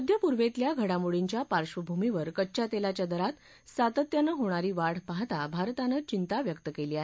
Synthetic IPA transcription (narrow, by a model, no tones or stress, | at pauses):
əd̪ʱjəpuɾʋet̪ljaɡʱəɽamuɭiɲt͡ɕjapaɾɕʋəbʱumiʋəɾkətːɕat̪elat͡ɕjad̪əɾat̪ | sat̪ət̪janəɦoɽ̃aɾiːʋaɽ̤paɦt̪abʱaɾt̪anət͡ɕint̪aʋjəkt̪əkeliːaɦee